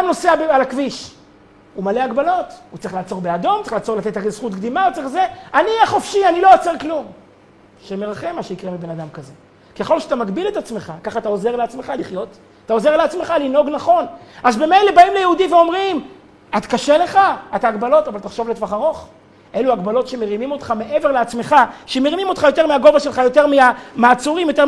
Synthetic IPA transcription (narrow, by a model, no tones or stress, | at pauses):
amno̞seabealakviʃ | umaleaɡbalo̞t̪ut͡saʁiχlaːt͡so̞ʁbe̞ad̪o̞mtt͡seiχlaːt͡solat̪et̪aɡez̥χut̪kd̪imaut͡sʁiχzeanijɛχofʃianilo̞ot͡seʁklum | ʃemeʁaχemːaʃeikʁemibenad̪amkaze̞ | keχo̞lʃeat̪amakbilet̪at͡smeχakaχat̪ao̞zeʁleat͡smeχaliχjo̞t̪ | atao̞ze̞ʁleat͡sme̞χalino̞ɡnaχo̞nʔazbemejle̞baimlejeudimveo̞mʁim | at̪kaʃele̞χaat̪aːɡbalo̞tavalt̪aχʃo̞vletvaχaʁo̞χ | ʔe̞luaɡbalo̞tʃemeʁimimot̪χame̞ʔe̞ve̞ʁleat͡sme̞χaʃemeʁimimo̞t̪χajo̞t̪̬e̞ʁmeaɡo̞vaʃelχajo̞te̞ʁmiamaːt͡suʁimjo̞t̪̬e